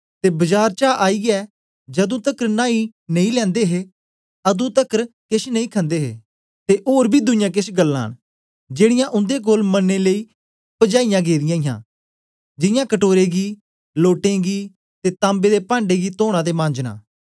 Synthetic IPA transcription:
t̪eːbəd͡ʒaːɾt͡ʃaːʔaːiɡɛː | d͡ʒɐd̪ũːt̪əkɾnãːinə̃ĩlɛ̃ːnd̪eːɦe | ɐd̪ũːt̪əkɾkɪsnəĩːkʰə̃nd̪eːɦḛː | t̪eʔoːɾbʱiːd̪ʊnɪjãːk̬ɪsɡəlːã̰ːɳ | d͡ʒeːɽɪjãʔʊ̃nd̪ek̬oːlmənːeleiː | pəd͡ʒaːijãːɡeːd̪ɪjãːɪjã̰ː | d͡ʒɪjãːkəʈoːɾeːɡiː | loːʈẽɡiː | t̪et̪ãːmbeːd̪epãːɳɖeɡiːt̪oːɽ̃ãːd̪eːmãːnd͡ʒnã̰ː

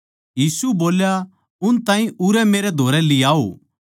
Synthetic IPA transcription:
jiːsuboːlja | ʊnt̪ãːĩʔʊɾɛmeːɾɛd̪ʱoːɾɛlɪaːo̰ː

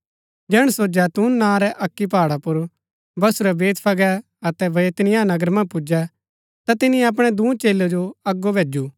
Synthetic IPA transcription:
d͡ʒɛːɽ̃soːd͡ʒɛt̪uːnːãːɾɛʔɐkːipaːɽapʊɾ | bɐsuɾɛbeːt̪ʰpʰɐɡɛ | ɐt̪ɛʋɐjet̪ɪnɪjãːnɐɡəɾmɐ̃pʊd͡ʒɛ | t̪at̪ɪnɪ̃jɛɐp̬ɽ̃ɛd̪ũːt͡ʃeːlːod͡ʒoɐɡːobʱeːd͡ʒuː

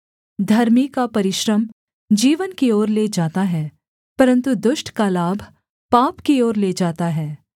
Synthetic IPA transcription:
d̪ʱɐɾmikapɐɾɪʃɾəm | d͡ʒiːʋənkiɔːɾleːd͡ʒaːt̪aɦɛː | pɐɾə̃nt̪ud̪ʊʃʈkalaːbʱ | paːpkiɔːɾleːd͡ʒaːt̪aɦɛː

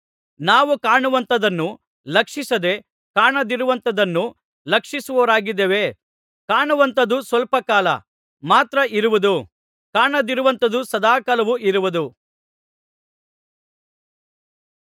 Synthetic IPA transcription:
naːʋukaːɳuʋɐnt̪ɐd̪ɐnːu | lɐkʂisɐd̪e̞ | kaːɳɐd̪iɾuʋɐnt̪ɐd̪ɐnːu | lɐkʂisuʋoːɾaːɡid̪ːeːʋe̞ | kaːɳuʋɐnt̪ɐd̪usʋɐlpɐkaːlɐ̰ | maːt̪ɾɐiɾuʋud̪u | kaːɳɐd̪iɾuʋɐnt̪ɐd̪usɐd̪aːkɐlɐʋuʔiɾuʋud̪u

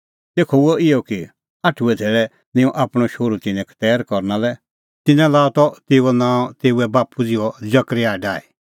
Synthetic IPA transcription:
t̪eːkʰɔʊɔɪɔki | aːʈʰuɛt̪ʰeːɭɛ | nɪ̃ũʔaːpɽ̃ɔʃoːɾut̪ɪ̃nɛ̃kʰt̪ɛːɾkɔɾnalɛ | t̪ɪnɛ̃laːɔt̪ɔt̪eːuɔnãːɔ̃t̪eːuɛbaːpud͡zɪɔd͡ʒɐkɾiaːiɖaːi

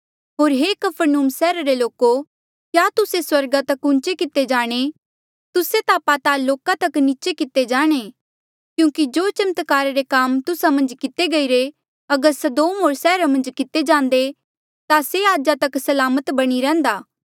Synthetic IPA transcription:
ɦoːɾɦeːkɐpʰəɾnuːmsɛːɾaɾeloːko | kjaːt̪ʊseswɐɾɡat̪ɐkʊ̃nt͡ʃekɪt̪ed͡ʒaːɽ̃e | t̪ʊset̪aːpat̪aloːkat̪ɐkniːt͡ʃekɪt̪ed͡ʒaːɽ̃e | kjũːkid͡ʒoːt͡ʃɐmət̪kaːɾaɾekaːmt̪ʊsamɐ̃nd͡ʒkɪt̪eɡɐiɾe | ɐɡəɾsɐd̪oːmɦoːɾsɛːɾamɐ̃nd͡ʒkɪt̪ed͡ʒãːnd̪e | t̪aseaːd͡ʒat̪ɐksɐlaːmət̪bɐɽ̃iɾɛ̃ːnd̪aː

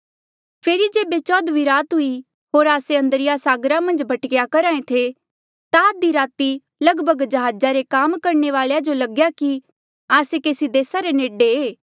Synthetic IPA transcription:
pʰeːɾid͡ʒeːbet͡ʃɔːd̪ʋiɾaːt̪ɦʊi | ɦoːɾaːseɐ̃nd̪əɾɪjasaːɡɾamɐ̃nd͡ʒbʱɐʈkɪjakɐɾãːẽt̪ʰe | t̪ad̪iɾaːt̪i | lɐɡbʱəɡd͡ʒɐɦaːd͡ʒaɾekaːmkɐɾɳeʋaːɭejad͡ʒolɐɡjaki | aːsekeːsid̪eːsaɾeneːɖeeː

